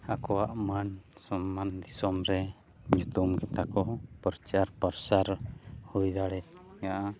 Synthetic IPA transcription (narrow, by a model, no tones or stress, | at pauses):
akɔwaʔmansɔmːand̪isɔmɾɛ | ɲut̪umkɛt̪akɔpɔɾt͡ʃaɾpaɾsaɾhujd̪aɽɛt̪̚ŋaʔa